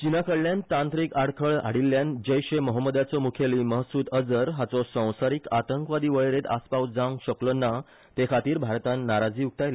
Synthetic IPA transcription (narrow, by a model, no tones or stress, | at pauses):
t͡ɕinakəɽljãnt̪ãnt̪ɾiːkaɽkʰəɭa̰ɽilːjand͡ʑəjɕeməɦəmːəd̪at͡sɔmukʰeliməɦsuːt̪əd͡zəɾɦat͡sɔsə̃w̃saɾiːkat̪əŋkʋad̪iːʋəɭɾet̪a̰spawd͡zãŋɡɕəklɔna | t̪ekʰat̪iːɾbʱaɾt̪ãnːaɾad͡ziːuk̚t̪ajle